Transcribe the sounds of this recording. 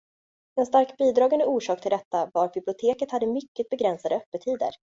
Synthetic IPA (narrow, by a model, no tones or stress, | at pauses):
ɛnst̪aɾkbiːd̪ɾɑːɡand̪əuːʂɑːk̚t̪ʰɪld̪ɛt̪ːavaɾbɪblɪʊt̪ʰeːkət̪had̪ːəmʏkːət̪̚bɛɡɾɛnsad̪əœpːət̪ʰiːd̪ə̰ɾ